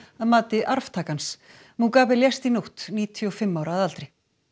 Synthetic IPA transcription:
aðmaːt̪ɪʔaɾft̪ʰaːkans | mukaːvɪljɛst̪inuwht̪niːt̪ʰjɔfɪmːawɾaːðalt̪ɾɪ

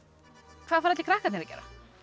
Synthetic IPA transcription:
kʰvaðfaɾaɛt̪lɪkʰɾaːhkat̪nɛɾacɛ̰ːɾa̰

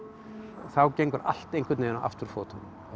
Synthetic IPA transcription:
θawcejŋkʏɾa̰l̥t̪ejnŋkʰvɪt̪neːnaʔa̰ft̪ʏɾ̥foːt̪an

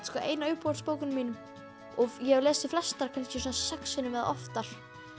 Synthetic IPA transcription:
skɔʔḛːjnaːɥɾpɔɾspoːwkʏnmiːnʏm | ɔɣjɛlɛːsɪflɛst̪aɾkʰanscɪsɔnasɛksɛnɪvɛːða̰ɔ̰ft̪aɾ̥

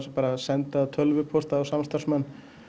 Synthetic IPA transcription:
sapaːɾasɛnt̪at̪ʰœlvʏpʰɔst̪aːwsamst̪aɾ̥smɛnː

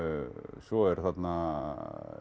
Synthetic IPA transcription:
sɔɛɾθad̪na

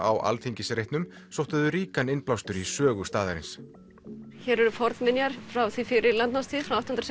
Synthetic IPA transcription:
a̰wʔa̰lθiɲcɪsɾejht̪nʏm | sowht̪aðʏɾiːkanɪnplawst̪ʏɾisœːɣʏst̪aːðaɾɪ̰ns | çɛɾɛɾʏfɔɾðmɪnjaɾ̥fɾawθifɪɾɪɾlant̪nast̪ʰiːðfɾawawt̪ɔhnɾs

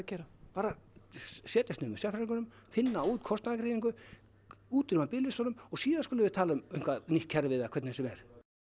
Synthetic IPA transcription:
ɛɾapaːɾa | sjɛːt̪ɛst̪nɪʏmʏsjɛfɾɾiŋkʏnʏmfɪnːauːt̪kʰɔst̪naakɾejniŋkʏ | uːt̪ɪɾmapɪlɪsɔːnʏmɔɣsiːðan̥kølʏvɪðt̪ʰaːlaʏmʏjhŋ̥kvaðnihkʰːɛɾvɪðakʰvɛt̪nɪsɛmɛɾ̥

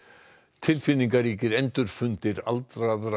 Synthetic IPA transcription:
t̪ʰɪlfɪnːiŋkaɾiːcɪɾɛnt̪ʏɾ̥fʏnt̪ɪɾa̰lt̪ɾaðɾ

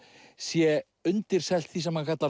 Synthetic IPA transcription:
sjɛ | ʏnt̪ɪɾ̥sɛl̥t̪θisɛmhakʰat̪la

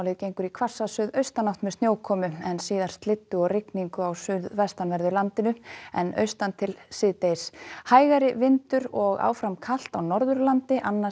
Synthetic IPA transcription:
wlɪðcejŋkʏɾikʰvḁsːasʏðœɥst̪anawht̪mɛðst̪njoːwkʰɔːmʏɛnsiːðaɾ̥st̪lɪt̪ːʏɔɣrɪkniŋkʏawsʏðvɛst̪anvɛɾðʏɾlant̪ɪnʏɛ̰nœ̰ɥst̪ant̪ʰɪlsɪːt̪ejshaːjɣaɾɪvɪnt̪ʏɾɔɣa̰ːwfɾamkʰal̥t̪awnɔɾðʏɾlant̪ɪʔanːa

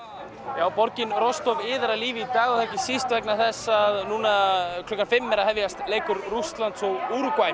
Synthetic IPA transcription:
jaːwpɔɾcɪnrɔst̪ɔvɪːðaɾaliːvɪit̪aːɣʏθahcɪsist̪vɛknaθɛsːaðnuːnakʰlœkːanfɪmːɛɾaðhɛvjast̪leːjkʏɾrust̪lant̪sɔɣuɾkvaj

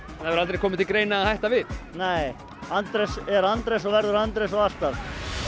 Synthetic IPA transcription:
ɛnhavɾalt̪ɾejkɔːmɪt̪ʰɪlkɾeːjnaːhajht̪avɪðneːj | ant̪ɾɛsɛɾant̪ɾɛsɔvɛɾðʏɾant̪ɾesɔɣast̪að

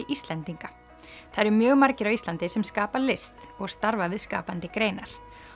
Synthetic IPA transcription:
ʔist̪lɛnt̪iŋka | θaðɾmjœːɣmaɾcɪɾavist̪lant̪ɪsɛmskaːpalɪst̪ɔɣst̪aɾvavɪðska̰ːpant̪ɪkɾeːjnaɾ̥

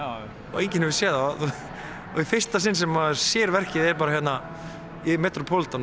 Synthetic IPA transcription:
ɔ̰ejɲcɪnhɛvɪsjɛːða | ɔifɪr̥st̪asɪnːsɛmːasjɛːɾvɛr̥cɪðɛɾpaɾajɛt̪na | imɛːt̪ɾʊpʰolt̪an

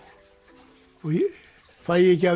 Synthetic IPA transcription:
ku | fɑjikæ

